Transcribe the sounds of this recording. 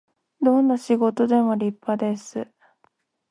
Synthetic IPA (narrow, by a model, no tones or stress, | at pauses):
d̪õ̞nːaɕiɡo̞t̪o̞d̪e̞mo̞ɾʲipːad̪e̞sɨ